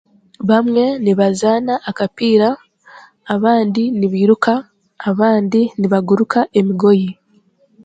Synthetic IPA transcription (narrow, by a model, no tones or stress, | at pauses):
βamŋe̞niβazaːnaʔːkapiːɾaː | βaːndiniβiːɾukaː | βaːndiniβaɡuɾukʰaʔe̞miɡo̞ji